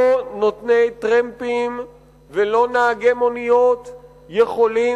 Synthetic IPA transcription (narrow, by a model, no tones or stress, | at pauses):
onot̪nejt̪ʁempim | velo̞naːɡemonijo̞t̪ | jeχo̞li